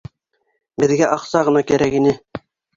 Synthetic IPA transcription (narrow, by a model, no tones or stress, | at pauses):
bɘ̆ðɡæʔɑqsɑʁɤ̆nɑkæɾækinɘ